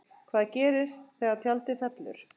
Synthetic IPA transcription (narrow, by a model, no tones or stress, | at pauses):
kʰvaːðcɛːɾɪst̪θɛɣat̪ʰjalt̪ɪfɛt̪lʏ̰ɾ̥